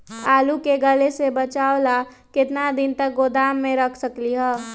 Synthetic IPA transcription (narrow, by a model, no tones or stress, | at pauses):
aːlukeɡəlesebət͡ʃaːola | kɪt̪nad̪ɪnt̪ək̚ɡod̪aːmːẽɾəkʰsəkliɦɔː